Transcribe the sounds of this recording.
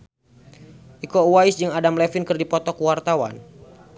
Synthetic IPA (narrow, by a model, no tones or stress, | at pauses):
ʔikɔuwaisd͡ʒɨŋadamlɛfɪnkɨrdipɔt̪ɔkwart̪awa̰n